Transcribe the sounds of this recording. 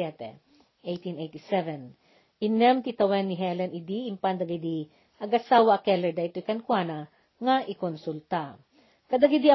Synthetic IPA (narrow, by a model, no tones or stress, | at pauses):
ɛt̪ɛ̰ | ʔejt̪inʔejt̪isɛvɛn | ʔɪnːɛmt̪it̪ɐwɛnːɪɦɛlɛnɪd̪iɪmpand̪ɐɡid̪i | ʔɐɡɐsaːwaʔːkɛlɛɹd̪ɐɪt̪ojkɐnkwana | ŋaʔɪkonsult̪a | kɐd̪aɡid̪i